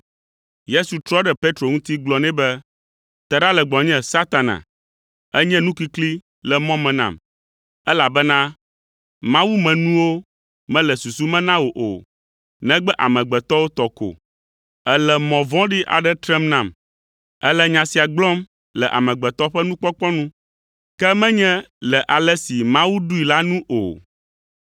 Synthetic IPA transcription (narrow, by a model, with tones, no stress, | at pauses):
je˦su˨t̪ɾɔ˦ɖɛ˦pe˦t̪ɾo˨ŋũ˦t̪i˦ɡ͡blɔ˨nɛ̃˦bɛ˦ | t̪ɛ˨ɖa˦lɛ˨ɡ͡blɔ̃˨ɲɛ̃˦sa˦t̪a˨nã̰˨ | ɛ˦ɲɛ̃˦nũ˦ki˦kli˦ | lɛ˨mɔ̃˦mɛ̃˨nã̰˦˨m | ɛ˦la˨bɛ˦nã˦ | mã˦wu˦mɛ̃˨nũ˦wo˦ | mɛ̃˦lɛ˨su˨su˦mɛ̃˦nã˦wo˨ʔo̰˨ | nɛ̃˦ɡ͡bɛ˦ʔa̰˨mɛ̃˨ɡ͡bɛ˨t̪ɔ˦wo˦t̪ɔ˨ko̰˨ | ɛ˦lɛ˨mɔ̃˨vɔ̃˦ɖi˦ʔa̰˨ɖɛ˦t̪ɾɛ˦mnã˨m | ɛ˦lɛ˦ɲã˨si˨a˨ɡ͡blɔ˦m | lɛ˨ʔa̰˨mɛ̃˨ɡ͡bɛ˨t̪ɔ˦ɸɛ˦nũ˦k͡pɔ˦k͡pɔ˦nũ˦ | kɛ˦mɛ̃˦ɲɛ̃˦lɛ˨ʔa˨lɛ˦si˨mã˦wu˦ɖu˦i˨la˦nũ˦ʔo̰˨